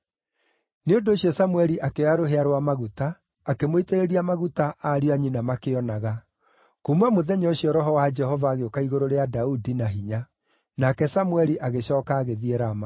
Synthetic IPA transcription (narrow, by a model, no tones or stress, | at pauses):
neondoːɕiɔsamuɛɾiʔakeaɾoɦeaɾwamaɣutaː | kemoiteɾeɾiamaɣutaʔaːɾiaɲinamakeɔnaɣa | komwamoðɛɲɔoɕiɔɾɔɦɔwad͡ʒɛɦɔvaːɣeokaiɣoɾoɾeadaudinaɦiɲa | nakɛsamuɛɾiʔaɣeɕɔːkaːɣeðieɾama